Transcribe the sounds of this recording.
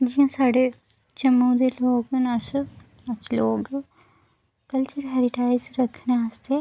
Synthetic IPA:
d͡ʒiãːsaːɖe | t͡ʃəmũːd̪eloːɡnas | ət͡ʃloːɡ | kəlt͡ʃəɾɦɛːɾɪʈaːɪzɾəkʰneaːst̪e

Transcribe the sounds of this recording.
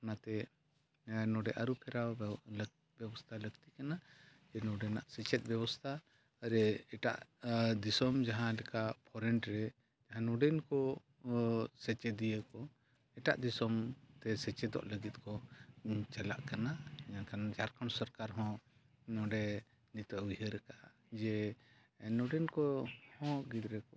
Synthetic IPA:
anat̪ɛ | nɔɖɛʔaɾupʰɛɾa | bjɛbɔst̪ʰaləɡt̪ikanad͡ʒɛnɔɖɛnaʔsɛt͡ʃɛt̪̚ˀbɛbɔst̪ʰaː | ɾɛɛʈa̰ʔd̪isɔmd͡ʒaɦãlɛkaʔpʰɔɾɛɳʈɾɛ | d͡ʒaɦãnɔɖɛnkɔ | sɛt͡ʃɛd̪ijəkɔ | ɛʈa̰ʔd̪isɔmt̪ɛsɛt͡ʃɛd̪ɔ̰ʔləɡit̪̚ˀkʰɔ | t͡ʃɛla̰ʔkanaakanad͡ʒaɾkaɳsɔɾkaɾɦɔ̃ | nɔɖɛ | nit̪əʔujhəɾɛkaʔ | d͡ʒɛ | nɔɖɛnkɔhɔ̃ɡid̪ɾɛkɔ

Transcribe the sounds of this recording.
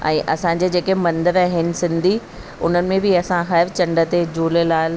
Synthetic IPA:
ɛ̰̃ːʔɐsãɲd͡ʑed͡ʑeːkemɐ̃nd̪əɾaːɦɪnɪ̆sɪ̃nd̪ʱi | ʊ̰n̤ənɪ̆mẽbɪɐsãxɐɪɾt͡ɕɐ̃ɳɖə̆t̪ed͡ʑoːlelaːl

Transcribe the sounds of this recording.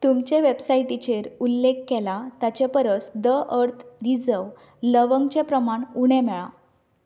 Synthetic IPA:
t̪umt͡ɕeʋebsaiʈit͡ɕeɾulːekːɛlat̪at͡ɕepəɾət͡sd̪əʔəɾt̪ʰɾid͡zəw | ləʋəŋɡt͡ɕepɾəmaɳuɽ̃ɛ̃mɛɭã̰

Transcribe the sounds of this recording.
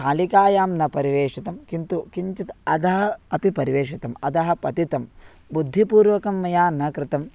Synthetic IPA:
kaːlikaːjaːmnɐpɐɾiʋeːʂit̪ɐmkint̪ukiɲt͡ʃit̪ɐd̪ɐɦɐ̆ɐpipɐɾiʋeːʂit̪ɐmɐd̪ɐɦɐ̆pɐt̪it̪ɐm | bud̪ʱːipuːɾʋɐkɐmːɐjaːnɐkɾɪt̪ɐm

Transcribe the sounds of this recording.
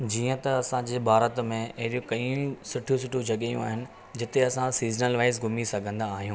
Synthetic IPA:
d͡ʑiːə̃t̪ɐɐsãd͡ʑeːbʱaːɾət̪mẽɐɦɪɗijõkɐĩsʊʈʰijosʊʈʰjud͡ʑɐɠejṵ̃aːɦɪnɪ̆ | d͡ʑɪt̪eɐsãsiːznəlʋaːɪzɡʱʊmisɐɡʱə̃nd̪aːɦijũː

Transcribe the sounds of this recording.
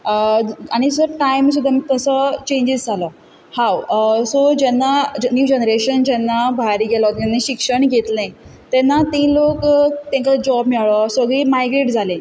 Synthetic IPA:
aɽ̃isəɾʈajms̬ud̪ʱːamiːt̪əsɔt͡ɕẽɲd͡ʑisd͡zʱalɔ | hawsod͡ʑɛnːad͡ʑnjuːd͡ʑenəɾeɕənd͡ʑɛnːabʱaɾiːɡelɔt̪anːiɕikʂəɳɡʱet̪lẽ | t̪ɛnːat̪ĩːlokt̪ɛ̃ŋkad͡ʑɔbmiɭɔsəɡɭiːmajɡɾeʈd͡zʱalẽ

